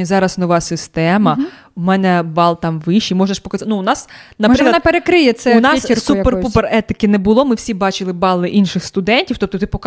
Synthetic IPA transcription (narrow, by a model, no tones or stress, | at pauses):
zɑɾɐsnɔʋɑsɪst̪ɛmɐ | umɛnɛbɑlˠt̪ɑmʋɪʃːimɔʒnɐʃpɔkɐznuːnɑsnɐpɾɪklˠɐnpeɾekɾɪjɛsɛʊnɑssuperpuperɛt̪ɪkɪnɛbʊlˠɔmɪwsʲibɑt͡ʃɪlˠɪbɑlˠɪʔinʃɪxst̪ʊd̪ɛnʲtʲiwt̪ɔp̚t̪ɔt̪ɪpɔk